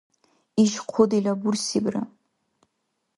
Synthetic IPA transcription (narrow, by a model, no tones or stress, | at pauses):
iʒqʷʰʊdilabursibra̰